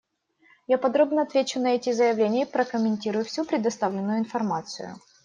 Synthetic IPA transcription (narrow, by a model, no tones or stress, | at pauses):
japɐd̪ɾo̞bnəɐt̪vʲet͡ɕʊnɐɛtʲɪzəjɪvlʲenʲɪjəpɾəkəmʲɪnʲtʲiɾʊjʊfsʲupɾʲɪd̪ɐst̪avlʲɪnːʊjʊɪnfɐrmat̪sɨ̰jʊ̰